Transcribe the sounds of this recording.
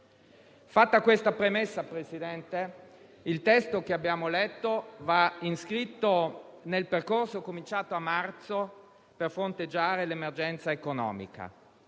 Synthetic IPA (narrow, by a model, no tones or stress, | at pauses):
fat̪ːakwest̪apɾemesːapɾesid̪ɛnt̪e | ilt̪ɛst̪ok̟eabːjaːmolɛt̪ːovainskɾit̪ːonelperkorsokomint͡ʃaːt̪oamːart̪so | perfɾont̪ed͡ʒːaːɾelemerd͡ʒɛnt̪saekonɔ̰ːmḭka̰